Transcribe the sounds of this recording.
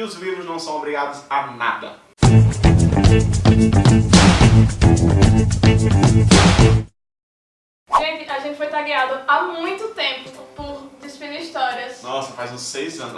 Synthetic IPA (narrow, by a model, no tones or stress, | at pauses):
ʊzlivɾʊznɐ̃w̃sɐ̃w̃obɾiɡad̪ʊzana̰d̪ɐ̰ | aʒẽt̪ɪaʒẽnt̪ɪfojt̪aɡiad̪ʊamũj̃t̪ʊt̪ẽpʊpʊɾd͡ʒ̪ɪsfiniiʃt̪ɔɾiɐsnɔsɐfajzũsejzɐ̃n